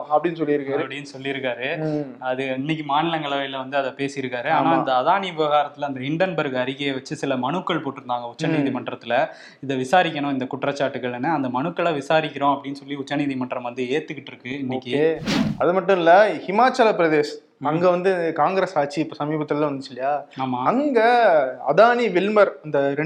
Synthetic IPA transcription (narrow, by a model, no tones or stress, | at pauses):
ɐpːɐɽɪnːɯsɔlːɪɾɯkːɐaːɾɯpɐɽɪjnːɯsɔlːɪɪɾɯkːaːɾɯɐðɯɪnːɪk̬ʲːɯmaːnɪlɐŋɡɐɭɐɐɪlɐʋɐnd̪ɯɐðɐpeːsɪjɪɾɯkːaːɾɯaːnaːɪd̪ɐːðaːɳiʋɪʋɐɣaːɾɐt̪ːɪlɐnd̪ɐɦɪɳɖɐnbɐɾɣɐɐɾɪɣɐeʋɐt͡ʃːɯsɪlɐmɐɳɯkːɐɭpoːʈːɯɾɯnd̪aːŋɡɐʊt͡ʃːɐniːðimɐɳɖɾɐt̪ːɪlɐ | ɪðɐʋɪsaːɾɪkʲːɐɳʊ̃ɪnd̪ɐkʊʈrɐt͡ʃːaːʈːɯɣɐɭɛnːɯɐnd̪ɐmɐɳɯkːɐɭɐʋɪsaːɾɪkʲːɪɾõɐpːɐɽɪnːɯsɔlːiʊt͡ʃːɐniːðimɐɳɖɾɐmʋɐnd̪ɯeːɾt̪ɯkːɪʈːɪɾɯkːɯɪnːɪːkːieɐðɯmɐʈːɯ̃mɪlːɐhɪmaːt͡ʃɐlapɪɾɐðeːs | ɐŋɡeʋɐnd̪ɯkaːŋɡɾeːsaːʈ̚t͡ʃiːpːoːsɐmiːbɐt̪ːɪllãʋɐnd̪ɯt͡ʃːɪlɪjaːaːmaːɐŋɡɐɐ̰ðaːniʋɪlmɐɾɐnd̪ɐɾɛ